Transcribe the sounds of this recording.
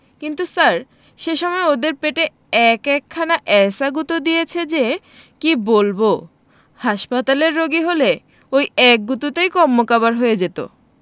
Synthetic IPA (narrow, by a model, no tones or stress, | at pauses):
kint̪usaɾ | ʃeʃɔmɔeod̪eɾpeʈe | ɛkɛkʰːanaʔɛsaɡut̪od̪ijet͡ɕʰed͡ʑe | kibolbo | haʃpat̪aleɾːoɡiɦole | ojɛk̚ɡut̪ut̪ejkɔmːokabaɾɦojed͡ʑet̪o̰